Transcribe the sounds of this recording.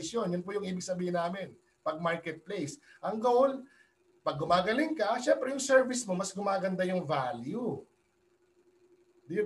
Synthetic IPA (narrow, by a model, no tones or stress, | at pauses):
ɪsjo̞njʊnpʊjʊŋʔiːbɪɡsɐbiːhɪnaːmɪn | pɐɡ̚maɹkɛt̪̚plejs | ʔɐŋɡɐol | pɐɡ̚ːʊmaːɡɐlɪŋkɐʃɛmpɾɛjʊŋsɛɹvɪsmomɐsɡʊmaːɡɐnd̪ajʊŋvaːlju | d̪ɪj